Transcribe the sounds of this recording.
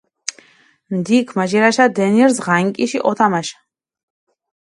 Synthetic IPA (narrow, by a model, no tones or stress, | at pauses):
md̪ikʰmaʒɛɾaʃad̪ɛniɛɾsʁaŋkʼiʃiʔɔt̪ʰamaʃ